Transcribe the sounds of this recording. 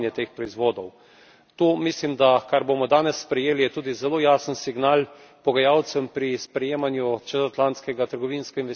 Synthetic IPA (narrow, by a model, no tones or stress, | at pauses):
njɛt̪eːxpɾɔizʋoːd̪ɔw | t̪oːmislimd̪akaɾbomɔd̪aːnɛsːpɾɛjeːlijɛt̪uːd̪izɛloːjaːsənsiɡnaːl | pɔɡajawt̪səmpɾispɾɛjeːmanjut͡ʃɛzat̪lant̪skɛɡat̪əɾɡɔʋinskɛinʋɛs